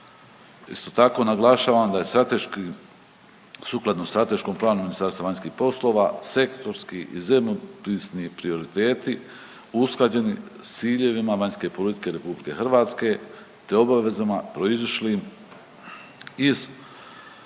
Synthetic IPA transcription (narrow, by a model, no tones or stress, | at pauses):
ḭst̪ot̪ako̞naɡlaʃaːʋamd̪ajeat̪ek | suklˠad̪nost̪ɾat̪e̞ʃko̞mplˠaːnuminist̪aːɾst̪ʋaʋaɲʲskiːhpo̞slˠo̞ːʋase̞kt̪o̞ɾskiʔizebmopɾiːsnipɾio̞ɾit̪e̞ːt̪i | usklˠad͡ʑe̞nist̪siːʎe̞ʋimaʋaɲske̞po̞lit̪i̥ke̞ɾe̞publike̞xr̩ʋaːt̪ske̞ | t̪eo̞baʋe̞zamapɾo̞iziʃlim | iz